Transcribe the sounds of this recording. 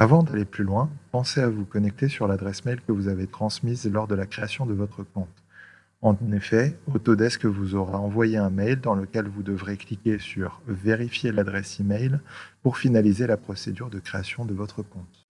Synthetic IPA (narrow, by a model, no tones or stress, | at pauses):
avɑ̃d̪aleplylwɛ̃pɑ̃seavukɔnɛk̚t̪esyʁlad̪ʁɛsmɛjlkəvuzavet̪χɑ̃smizlɔʁd̪əlakχeasjɔ̃d̪əvɔt̪χəkɔ̃t̪ | ɑ̃nefɛot̪od̪ɛskəvuzɔʁeɑ̃vwajeɛ̃mɛjld̪ɑ̃ləkʲɛlvud̪əvʁeklikʲesyʁveʁifjelad̪ʁɛsimɛjlpuʁfinalizelapχɔsed̪yʁd̪əkχeasjɔ̃d̪əvɔt̪χəkɔ̃t̪